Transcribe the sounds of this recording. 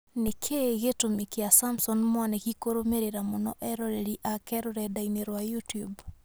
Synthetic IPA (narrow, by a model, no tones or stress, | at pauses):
nekʰeɣetomekeasamsɔnmwanɛɣikoɾomeɾeɾamɔnɔʔɛɾɔɾeɾiʔakɛɾoɾɛdaineɾwajutub